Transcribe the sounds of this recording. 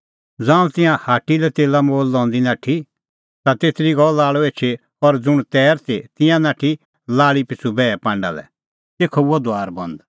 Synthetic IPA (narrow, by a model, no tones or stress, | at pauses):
d͡zãːũt̪ɪ̃jãhaːʈːilɛt̪eːlamoːlːɔ̃ːnd̪inãːʈʰi | t̪at̪eːt̪ʰɾiɡɔlaːɭoeːt͡ʃʰe | ɔɾd͡zʊɽ̃t̪ɛːɾt̪ʰet̪ɪ̃jãnãːʈʰi | laːɭipɪt͡sʰubɛːɛpãːɳɖa̰lɛ̰ | t̪eːkʰɔuɔd̪oaːɾbɐ̃nd̪